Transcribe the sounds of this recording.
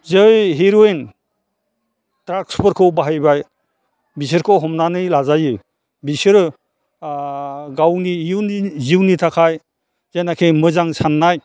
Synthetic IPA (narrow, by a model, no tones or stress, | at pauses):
zɯjɦiɾoen | tɾakspɔɾkʰɯwbaɦajbaj | bis̬ɯɾkʰɔwɦɔmnanɯjlazajɯ | bisɯɾ | ɡawniuniziwnitʰakʰaj | zajnakʰemɯzaŋsanːaj